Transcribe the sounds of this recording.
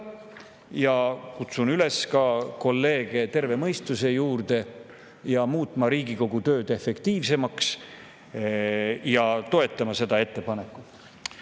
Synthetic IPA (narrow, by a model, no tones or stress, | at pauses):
jɑkut̪sunyle̞skɑko̞lːe̞ːɡ̥e̞t̪e̞rve̞mɤjst̪use̞juːrd̪̥e̞ | jɑmuːt̪ˑmɑɾiːɡiko̞ɡ̥ut̪ø̞ːd̪̥e̞fe̞kt̪iːvse̞mɑks | jɑt̪o̞e̞t̪ˑːɑmɑse̞d̪ɑe̞t̪ːe̞pɑne̞kːˑu